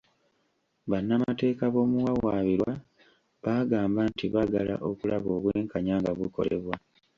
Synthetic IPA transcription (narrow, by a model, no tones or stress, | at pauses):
βanːamate̞ːkaβo̞ːmuwawaːβiɾwa | βaɡaːmbantiβaɡala̰ʔo̞kulaβo̞ːβweːŋkaɲaːŋɡaβuko̞̰le̞̰βwa